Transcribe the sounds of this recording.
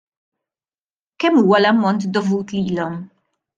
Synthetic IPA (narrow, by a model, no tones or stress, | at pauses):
kɛmːuːwɐlɐmːɔnt̪d̪ɔvuːt̪liːlɔm